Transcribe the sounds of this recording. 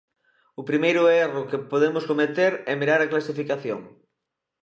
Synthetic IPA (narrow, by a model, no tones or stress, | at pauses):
ʊpɾimejɾʊerʊkepoðemʊskomet̪eɾɛmiɾaɾaklasifikaθjo̰ŋ